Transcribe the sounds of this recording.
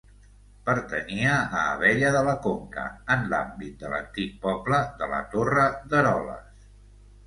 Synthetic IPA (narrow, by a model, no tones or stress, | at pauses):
pəɾt̪əniəəːβ̞ɛʎəðələkoŋkə̰ənla̰mbit̪̚d̪ələ̰nt̪ik̚pɔbləðələ̰t̪orəðəɾɔlə̰s